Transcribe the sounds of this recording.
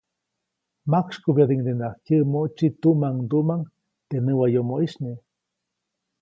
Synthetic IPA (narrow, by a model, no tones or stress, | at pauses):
makʃkubjad̪iŋd̪enahkjəʔmoʔt͡ʃit̪uʔmaŋd̪uʔmaŋ | t̪enəwajomoiʃni